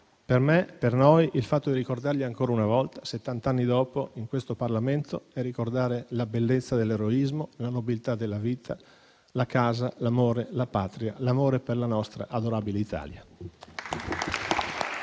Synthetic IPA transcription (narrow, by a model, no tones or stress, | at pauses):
permepernojilfat̪ːod̪irɾikord̪arʎiaŋkoːɾaunavɔlt̪ḁset̪ːant̪anːid̪ɔːpoiŋkwest̪oparlament̪oɛrːikord̪aːɾelabelːet̪sːad̪elːeɾoizmolanobilt̪ad̪elːaviːt̪ʰa | lakaːzalamoːɾelapaːt̪ɾialamoːɾeperlanɔst̪ɾa̰ʔad̪oɾaːbileit̪ʰa̰ːlja̰